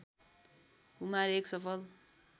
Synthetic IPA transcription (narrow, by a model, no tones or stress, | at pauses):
kumaɾeksʌpʰʌl